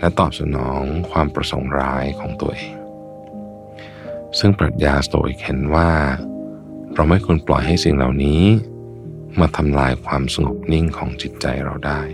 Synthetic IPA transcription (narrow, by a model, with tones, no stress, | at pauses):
lɛ˦˥t̪ɔː˨˩p̚sa̰˧nɔː˩˦ŋkʰwaː˧mpɾa˧so̰˩˦ŋɾaː˦˥jkʰɔː˩˦ŋt̪u˧ɐʔeː˧ŋ | sɯ˥˩ŋpɾa̰˨˩t̪̚jaː˧st̪o̰ː˧˩ʔḭ˨˧˩k̚he˩˦nwaː˥˩ | pɾa˧wma˥˩jkʰo˧nplɔ̰˨˩jɦa˥˩jsi˨˩ŋla̰˨˩wniː˦˥ | maː˧t̪ʰa˧mlaː˧jkʰwaː˧msa˧ŋo˨˩p̚ni˥˩ŋkʰɔ̰ː˩˦ŋt͡ɕi˨˩t̪̚t͡ɕa̰˧jɾa̰˧wdaː˥˩j